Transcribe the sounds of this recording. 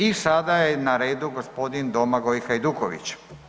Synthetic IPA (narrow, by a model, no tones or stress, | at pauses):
isad̪ajenaɾeːd̪uɡospo̞d̪ind̪omaɡoixajd̪ukoʋḭt͡ɕ